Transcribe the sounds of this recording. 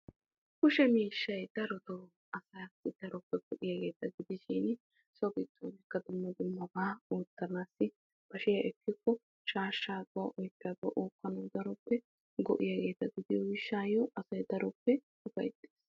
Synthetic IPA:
kʊʃɛmiːʃːɐjd̪̥ɐɾɔd̪oː | ɐsɐjat̪ːɪd̪̥ɐɾɔpːɛɡ̥ɔʔɪjaɡe̞ːt̪ːɐɡɪd̪ɪʃiːn | sɔkɪt̪ːoːnɪkːɐd̪ʊmːɐd̪ʊmːɐbaːuːt̪ːɐnaːsːɪ | b̥ɐʃɪjɐʔɛkːɪkːɔ | ʃaːʃːaːd̪ʊwaʔɔjpːɐɡ̪ʊɐ̰ʔuːkːɐnɔːd̪ɐɾɔpːɛ | ɡɔ̰ʔɪjaɡe̞ːt̪ːɐɡɪd̪ɪjɔwɪʃːaːjɔʔɐsɐjd̪ɐɾɔpːɛsʊfɐ̰jt̪ʼːeːs

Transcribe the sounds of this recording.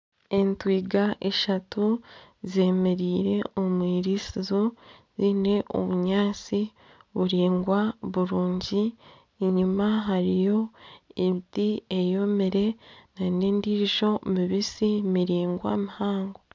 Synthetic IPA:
entwiːɡaʔeʃatuze̞me̞ɾiːɾe̞omwiːɾisizozine̞ʔo̰βuɲaːt͡si | βuɾiːŋɡwaβuɾuːɲɟi | ɲumaɦaɾijo̞eβitiejo̞meɾe̞naneːndiːiʒo̞miβisimiɾiːŋɡwa̰mihaːŋɡo

